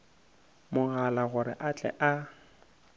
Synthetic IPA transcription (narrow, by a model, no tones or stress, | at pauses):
mʊɣalaɣʊɾɪ̰ʔat͡ɬʼɛ̰ʔa